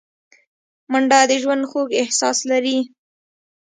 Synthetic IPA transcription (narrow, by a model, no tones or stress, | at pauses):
mʊɳɖɑd̪əʒwand̪xoɡɪhsɑslaɾi